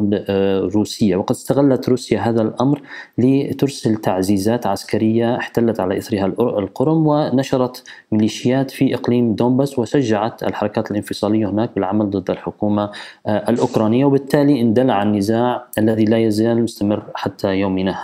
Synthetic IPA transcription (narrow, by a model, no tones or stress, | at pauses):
lɾuːsɪjːawɑqɑd̪ɪ̥st̪aɣalːat̪ɾuːsjaɦaːðalʔamɾlɪt̪ʊɾsalt̪aʕziːzaːt̪ʕaskaɾɪjːaɪħt̪alːat̪ʕalaʔɪθɾɪhalʔalqʊɾʊmwɪnaʃɑɾˤɑt̪mɪliːʃɪjaːt̪fiʔɪqliːmd̪oːmbaːswɪʃaʒːaʕat̪a̰lħɑɾˤɑkaːt̪alɪnfɨsˤɑːlɪjːahɪnaːk̚bɪlʕamald̪ˤɨd̪ːalħʊkuːmaʔalʔʊkɾˤɑːnɪjːawbɪt̪ːaːliʔɪnd̪alːaʕanːɪzaːʕʔalːaðilajazaːlmʊst̪amɪrːħat̪ʰːajoːmɪnaha